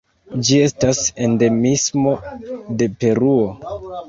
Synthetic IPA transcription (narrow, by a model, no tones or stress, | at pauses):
d͡ʒie̞stase̞nde̞mismo̞de̞pe̞ɾuo̞